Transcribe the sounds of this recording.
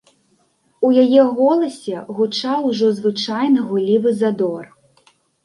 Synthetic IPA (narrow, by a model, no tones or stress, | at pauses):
ujajɛɣɔlˠɐsʲɛɣut͡ʂawʐɔzvɨt͡ʂajnɐɣulʲivɨzad̪ɔr